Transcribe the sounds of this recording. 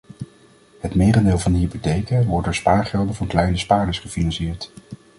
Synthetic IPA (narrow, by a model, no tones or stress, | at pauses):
ɦətmɪːrəndɪːlˠvɑndəɦipotejkəʋɔɹt̚doːɹspaːɹχɛlˠdəvɑnklɛjnəspaːɹdəsχəfinɑnsɪːɹt